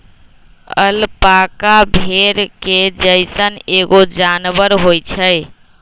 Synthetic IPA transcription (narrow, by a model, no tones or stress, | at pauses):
ə̰lpakabʱeɾked͡ʒəjsəneɡod͡ʒanbəɾɦojt͡ʃʰəj